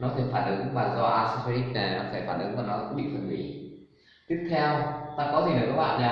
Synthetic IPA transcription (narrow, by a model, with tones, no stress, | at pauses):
nɔ˨˦t̪i˨˩əfaː˧˩nʔɨ̰˨˧˦ŋvaː˨˩zɔ˧ʔaː˧si˧fi˧li˦˥t̚na˨˩nɔ˨˦fʰa˧˩faː˧˩nʔɨ̰˨˦ŋvaː˨˩nɔ˨˦z̰ə̰˧˥ɓḭ˧˨t̪ʰə˨˩ŋwḭ˧˩˦ | t̪i˦˥əp̚t̪ʰɛ˧wt̪aː˧kɔ˨˦zi˨˩˨ə˨˩kaː˦˥k̚ɓa̰ː˧˨nɲaː˨˩